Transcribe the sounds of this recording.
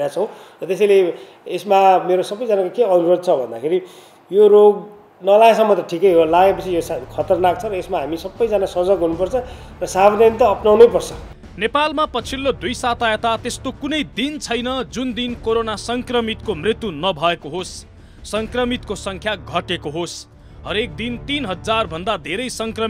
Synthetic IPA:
jat͡sʰʌ̃w̃rʌt̪es̬ʌjle | esmameɾosʌbːʌjd͡zanakokeʌnuɾod̪̚t͡sʰʌbʱʌnd̪akʰeɾi | joroɡ | nʌlaɡesʌmːʌt̪ʌʈʰikʌjɦolaɡepʌt͡sʰijoskʰʌt̪ʌrnak̚t͡sʰʌɾʌesmaɦamisʌbːʌjd͡zanasʌd͡zʌɡɦunupʌrt͡sʰʌ | rʌsabʌd̪anit̪ʌːpnawnʌjpʌrt͡sʰʌ | nepalmapʌt͡sʰilːod̪ujsat̪aet̪at̪est̪okunʌjd̪int͡sʰʌjnʌd͡zund̪inkoɾonasʌŋkrʌmit̪komrit̪junʌbʱʌekoɦosː | ʌŋkrʌmit̪̚kosʌŋkʰjaɡʱʌʈekoɦos | ɦʌɾek̚d̪int̪inɦʌd͡zd͡zarbʱʌnd̪ad̪ʱeɾʌjsʌŋkrʌ

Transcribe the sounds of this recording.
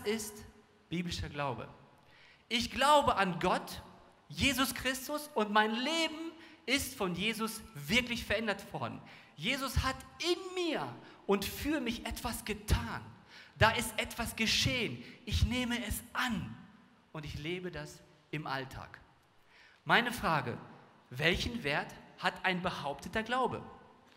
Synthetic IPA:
sɪst | b̥iːblɪʃɐɡlaʊbə̰ | ʔɪçɡ̥laʊbəʔanɡɔt | jeːzʊskʁ̥ɪstʊsʊntmaɪnleːbm̩ɪstfɔnjeːzʊsv̥ɪɐklɪçfɛɐʔɛndɐtv̥ɔɐdn̩ | jeːzʊshatɪnmiːɐ | ʊntfyːɐmɪçʔɛtv̥asɡ̥ətʰaːn | daːʔɪstʔɛtv̥asɡ̥əʃeːənʔɪçneːməɛsʔan | ʔʊntɪçleːbədas | ɪmʔa̰ltʰa̰ːk | maɪnəfʁ̥aːɡə̰ | vɛlçn̩veːɐthatʔaɪnbəhaʊp̚tʰətɐɡlaʊbə̰

